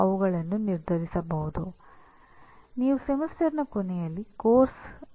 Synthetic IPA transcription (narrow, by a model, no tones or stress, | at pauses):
ɐʋuɡɐɭɐnːuniɾd̪ʱɐɾisɐbɐɦud̪u | niːʋusemɐsʈɐɾnɐkonɛjɐlːikoːɾs